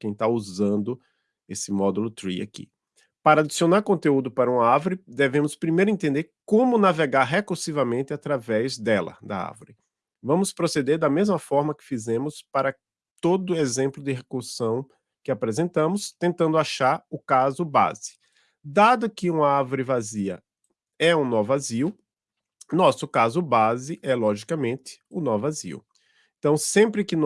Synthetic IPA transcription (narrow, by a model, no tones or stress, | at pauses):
kẽj̃t̪auzɐ̃nd̪ʊ | esɪmɔd̪ʊlʊt̪ɾḭa̰kḭ | paɾɐad̪isionaɾkõnt̪eud̪ʊpaɾɐũaɾvoɾɪd̪evẽmʊspɾimejɾʊẽnt̪ẽnd̪eɾkõmʊnaveɡaɾɦekuɾsivɐmẽnt̪ɪat̪ɾavɛzd̪ɛlɐ̰d̪ɐ̰a̰ɾvʊɾɪ | vɐ̃mʊspɾosed̪eɾd̪ɐmezmɐfɔɾmɐkɪ̥fizẽmʊspaɾɐ | t̪od̪ʊezẽmplʊd̪ɪɦekuɾsɐ̃w̃ | kɪapɾezẽnt̪ɐ̃mʊst̪ẽnt̪ɐ̃nd̪ʊaʃaɾʊkazʊba̰zɪ̥ | d̪ad̪ʊkɪũmɐaɾvoɾɪvaziɐ̰ | ɛũnɔvʊaziʊ | nɔsʊkazʊbazɪʔɛlɔʒikɐmẽnt̪ɪ̥ʊnɔvʊazḭʊ̰ | ẽt̪ɐ̃w̃sẽpɾɪkɪn